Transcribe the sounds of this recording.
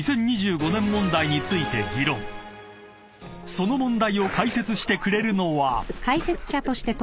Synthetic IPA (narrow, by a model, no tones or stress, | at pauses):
sẽ̞ɲ̟ːiʑɨːɡo̞nẽ̞mːõ̞nd̪aiɲ̟it͡sɨit̪e̞ɡʲiɾõ̞ŋ | so̞no̞mõ̞nd̪aio̞kaise̞t͡sɨɕi̥t̪e̞kɯ̟ɾe̞ɾɯ̟no̞βakʰaise̞t͡sɨ̥ɕat̪o̞ɕi̥t̪e̞t̪